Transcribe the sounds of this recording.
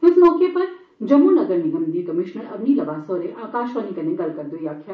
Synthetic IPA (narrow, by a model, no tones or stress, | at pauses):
ɪsmɔːkepɐɾ | d͡ʒɐmuːnɐɡəɾnɪɡə̃nd̪iːkɐmɪʃnəɾɐ̰bnilɐʋaːsoːɾeʔaːkaːʃʋaːnikɐɾnẽɡɐlkɐɾd̪oːjaːkʰja